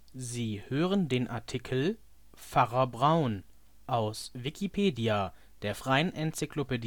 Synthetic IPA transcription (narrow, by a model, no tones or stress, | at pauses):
ziːhøːʁəndeːnʔa̰ɐtʰikʰl̩ | faʁɐbʁaʊn | ʔaʊsvikʰipʰeːdia | d̥eːɐfʁ̥aɪənʔɛnt͡siklopedi